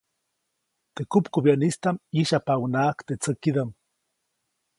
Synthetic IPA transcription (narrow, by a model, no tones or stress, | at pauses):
t̪ekupkubjanist̪amiʃapawnakt̪et͡səkid̪am